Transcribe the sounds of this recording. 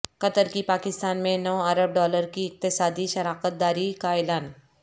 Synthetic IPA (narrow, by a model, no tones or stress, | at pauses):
kɐt̪əɾkipaːkɪst̪aːnmẽnɔːɐɾəb̚ɖɔːləɾkiɪk̚t̪ɪsaːd̪iʃɐɾaːkət̪̚d̪aːɾikaɛːlaːn